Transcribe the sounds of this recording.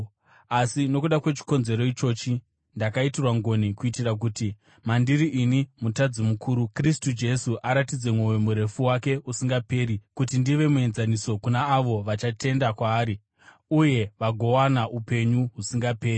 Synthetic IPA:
asino̞kuɗakwe̞t͡ʃi̥ko̞nze̞ɾo̞it͡ʃo̞ːt͡ʃi | ndakaitirwaŋɡo̞nikuitirak̬uti | mandiɾiʔinimutad͡zimukʰuːɾukristud͡ʒe̞suʔaɾatid͡ze̞mwojemuɾe̞fuwake̞usiŋɡape̞ːɾikutindiʋe̞mue̞nzaniso̞kunaːʋo̞ʋat͡ʃatʰe̞ndakwaːɾi | uje̞ʋaɡʱo̞wanaʔupe̞ɲuɦusiŋɡape̞ːri

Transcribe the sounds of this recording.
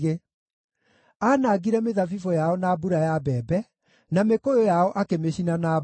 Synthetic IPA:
e | anaːɡiɾɛmeðafifɔjaɔnaːbuɾajabɛːbɛ | namekojojaɔʔakemeɕinana

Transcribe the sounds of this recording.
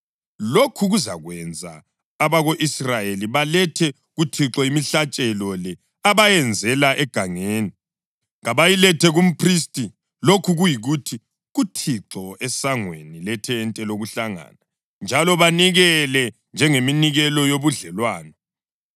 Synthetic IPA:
lokʰuɣuzaɣwɛnd͡zʱa̰ː | βaɣoʔisrajeliβalɛtʰɛ | ɣutʰiǁɔimiɬat͡ʃʼɛlɔlɛ | aβajɛnd͡zʱɛlaʔɛɡ̥ʱaŋeːni | ɣaβajilɛtʰɛɣum̩pʰris̬tʼi | lokʰuɣujiɣutʰi | ɣutʰiǁɔɛsaŋwḛnilɛtʰɛːntʼɛloɣuɬaŋa̰ːna | nd͡ʒʱalɔβaniɣɛlɛ | nd͡ʒʱɛŋeminiɣɛlɔjoβuɮɛlwaːnɔ

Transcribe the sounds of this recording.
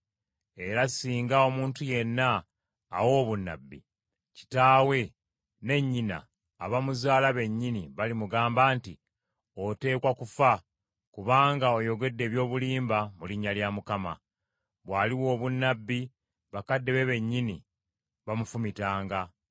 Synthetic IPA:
e̞ɾasiːŋɡao̞muːntuje̞nːa̰ː | wo̞ːβunːa̰bːḭ | ci̥taːwe̞ | ne̞ɲːina̰ː | βamuzaːlaβe̞ɲːiniβalimuɡaːmbaːnti | o̞te̞ːkwakufa | kuβaːŋɡao̞jo̞ɡe̞dːe̞ːβjo̞ːβuliːmbamuliɲːaljamukama̰ | βwaːliwo̞ːβunːabːi | βakadːe̞βe̞βe̞ɲːini | βamufumitaːŋɡa

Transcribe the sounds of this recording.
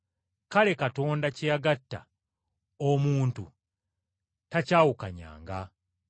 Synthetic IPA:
kale̞kato̞ːndacijaɡatːa̰ | omuːntṵ | tacaːwukaɲa̰ːŋɡa

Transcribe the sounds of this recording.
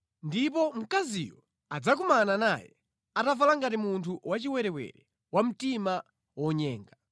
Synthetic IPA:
ndipɔm̩kazijɔ | ad͡zak̬umananajɛ̰ | atavalaŋɡatimuntʰuwat͡ʃiwɛɾɛwɛ̰ɾɛ | wam̩tima | wɔɲɛːŋɡa

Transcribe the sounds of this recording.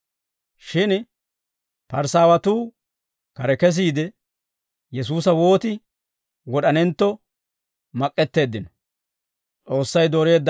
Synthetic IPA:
ʃɪn | pɐɾsaːwɐt̪uː | kɐɾɛkɛs̬iːd̪ɛ | jɛs̬uːsɐwo̞ːt̪ɪ | wɔɗɐnɛnt̪ːɔ | mɐkʼːɛt̪ːe̞ːd̪ːɪnɔ | t͡sʼo̞ːsːɐjd̪oːɾe̞ːd̪ː

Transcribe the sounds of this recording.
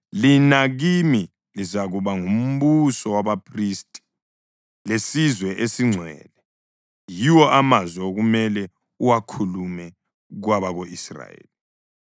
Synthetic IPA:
linaɣimi | lizaɣuβaŋum̩busɔwaβapʰristʼi̥ | lesizwɛʔesiŋ͡ǀʱwɛ̰ːlɛ | jiwɔʔamazwɛoɣumɛlɛ | uwakʰulumɛ | ɣwaβaɣoisra̰jḛːli

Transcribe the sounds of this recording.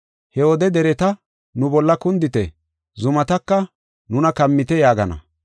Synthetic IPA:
hɛwɔd̪ɛd̪ɛɾɛt̪ɐ | nʊbɔlːɐkʊnd̪ɪt̪ɛ | zʊmɐt̪ɐkːɐ | nʊnɐkɐmːɪt̪ɛjaːɡɐnɐ̰

